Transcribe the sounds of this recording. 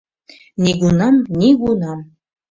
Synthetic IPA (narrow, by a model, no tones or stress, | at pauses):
niɡunɑmnʲiɡunam